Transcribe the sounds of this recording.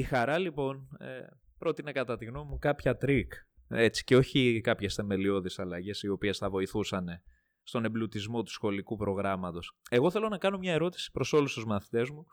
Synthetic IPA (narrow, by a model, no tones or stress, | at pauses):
ixɐɾɐlipo̞nḛ | pɾo̞t̪inekɐt̪ɐt̪iɣno̞mmːukɐpçɐt̪ɾik | e̞t͡si̥ceo̞çikɐpçe̞sθe̞me̞lio̞ðisɐlɐʝe̞sio̞pie̞sθɐvo̞iθusɐne̞ | st̪o̞ne̞blut̪izmo̞t̪u̥sxo̞likupɾo̞ɣɾɐmɐt̪o̞se̞ɣo̞θe̞lonɐkɐno̞mɲɐe̞ɾo̞t̪i̥si̥pɾo̞so̞lust̪uzmɐθi̥t̪e̞zmu